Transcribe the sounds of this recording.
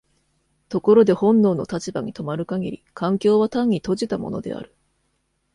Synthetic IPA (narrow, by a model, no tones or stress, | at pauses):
t̪o̞ko̞ɾo̞d̪e̞hõ̞nːo̞ːno̞̰t̪at͡ɕibaɲ̟it̪o̞maɾɯ̟kaɡʲiɾʲikʰãŋkʲo̞ːβat̪ãɲ̟ːit̪o̞ʑit̪amo̞̰no̞̰d̪e̞̰a̰ɾɯ̟̥